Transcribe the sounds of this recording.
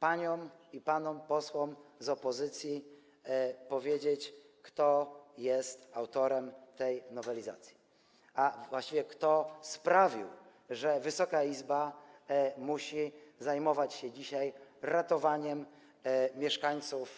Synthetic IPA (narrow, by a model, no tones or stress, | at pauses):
paɲɔmipanɔmpɔswɔmzɔpɔzɘt̪sʲji | pɔvʲjɛd͡ʑet͡ɕkt̪ɔjɛst̪awt̪ɔɾɛmt̪ɛjnɔvɛlʲiza̰t̪sʲji̥ | avwaɕt͡ɕivʲɛkt̪ɔspɾavʲḭw | ʐɛvɘsɔkaizba | muɕizajmɔvat͡ɕɕɛd͡ʑiɕajɾat̪ɔvaɲɛm | mʲjɛʂkaɲt̪suf